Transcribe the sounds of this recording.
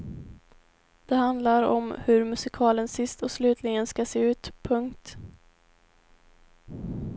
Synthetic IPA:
d̪̥ɛɦand̪laɾɔ̰mhɵɾmɵsɪkʰɑːlənsɪst̪ɔslʉ̟ːt̪ʰlɪɡənskaseːʉ̟ːt̪pʰɵŋkt̪

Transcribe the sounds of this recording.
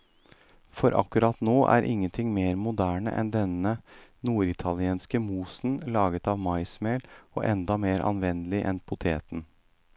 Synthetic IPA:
fɔɾʔɑ̰kːʉɾɑt̪noːʔæ̰ːɾʔɪ̰ŋːənt̪ʰɪŋmeːɾmʊd̪æːɳə̰ʔɛ̰nd̪ɛnənuːɾɪt̪ʰɑlɪeːnskəmuːsn̩lɑːɡət̪ɑʋmɑɪsmeːlɔ̰ʔɛnd̪ɑmeːɾʔɑ̰nʋɛnəlɪʔɛnpʰʊt̪ʰḛːt̪n̩

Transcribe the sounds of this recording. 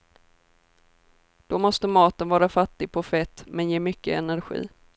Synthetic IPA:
d̪̥ɔmɔst̪əmɑːt̪ənvɑːɾafat̪ːɪɡ̚pʰɔfɛt̪ːmɛnjeːmʏkːəɛnæɾɧḭː

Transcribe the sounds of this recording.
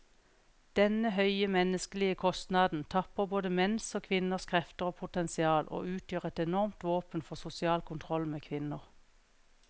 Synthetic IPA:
d̪̥ɛnəhœʏəmɛnəskəlɪəkʰɔst̪nɑːd̪n̩t̪ʰɑpəʁboːd̪əmɛnsoːkʰʋɪnəʁskʰʁɛft̪əʁoːpʰʊt̪ɛnsɪɑːlʔo̰ːʉːt̪ʰjøːʁɛt̪ɛnɔʁmt̪ʋoːpənfɔʁsʊsɪɑːlkʰʊnt̪ʰʁɔlmeːkʰʋɪnəʁ

